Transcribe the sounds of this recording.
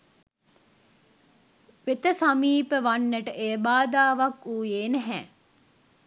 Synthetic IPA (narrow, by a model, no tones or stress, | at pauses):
ʋet̪əsamiːpəʋanːeʈəʔeːbaːd̪aːʋakuːjeːneɦɛː